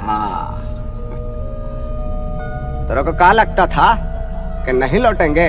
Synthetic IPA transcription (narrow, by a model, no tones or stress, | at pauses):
ɦã̰ | t̪oːɾokokalɐɡ̚t̪at̪ʰa | kenɐɦĩloːʈẽːŋɡeː